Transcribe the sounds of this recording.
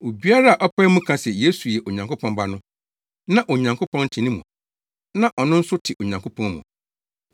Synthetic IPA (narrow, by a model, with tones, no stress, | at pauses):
o˨bi˦a˦ɾa˦a˨ʔɔ˦pʰɛ˦mũ˦kʰã˦sɛ˨je˨˦su˨jɛ˨ʔo˨ɲã˨ŋkʰʊ˦pʰɔ̃˦mba˦nʊ̃˦ | nã˦ʔo˨ɲã˨ŋkʰo˦pʰɔ̃˦n˦tʰɪ̃˨nĩ˦mṵ̃˨ | nã˦ʔɔ˨nʊ̃˦n̩˦sʊ˦tʰɪ˨ʔo˨ɲã˨ŋkʰo˦pʰɔ̃˦nmṵ̃˨